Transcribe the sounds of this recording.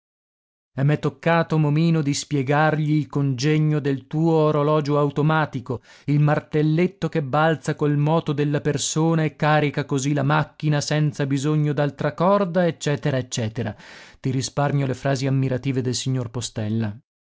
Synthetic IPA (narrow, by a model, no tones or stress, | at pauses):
ɛmːɛt̪ːokːaːt̪omomiːnod̪ispjɛɡarʎiːlkond͡ʒɛɲːod̪elt̪uːoːɾolɔːd͡ʒoawt̪omaːt̪iko | ilmart̪elːet̪ːokebːalt̪sakolmɔːt̪od̪elːapersoːnaekːaːɾikakozilamakːinasɛnt̪sabizoɲːod̪alt̪ɾakɔrd̪aet͡ʃːɛːt̪eɾaet͡ʃːɛːt̪eɾat̪iɾisparmjolefɾaːziamːiɾat̪iːved̪elsiɲːorpost̪ɛlːa